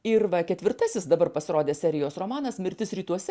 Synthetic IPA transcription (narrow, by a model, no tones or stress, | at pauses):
ɪɾʋɐkʲɛt̪ʲʋʲɪɾt̪ɐsʲɪsd̪ɐbɐɾpɐsʲɪɾoːd̪ʲeːsʲɛɾʲɪjoːsroːmɑːnɐsmʲɪɾʲt̪ʲɪsɾʲiːt̪uɔsʲɛ